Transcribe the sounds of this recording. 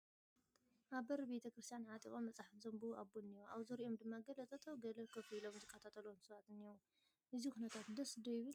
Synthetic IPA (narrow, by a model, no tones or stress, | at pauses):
ʔaβbɐɾbe̞t̪ʰɐkɾɨst̪ʰjanʕat̪ʼḭxʼo̞mːɐt͡sʼaħat̪zɐmbuaβunijoʔaβzɐɾiʔo̞md̪ɨmːaɡɐlɐt͡s̪ʼɐt̪ʼʰoɡɐlɐkʰɐfilo̞mzɨkʰːɐt̪ʰat̪ʰɐlunsɨβat̪ɨniwu | ʔɨzixunɐt̪ʰat̪d̪ɐsd̪ɐjβɨ